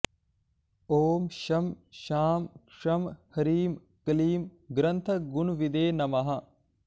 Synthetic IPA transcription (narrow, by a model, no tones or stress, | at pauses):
oːmʃɐmʃaːmkʂɐmhɐɾiːm | kɐliːmɡɾɐnt̪ʰɐɡunuʋid̪eːnɐmɐɦɐ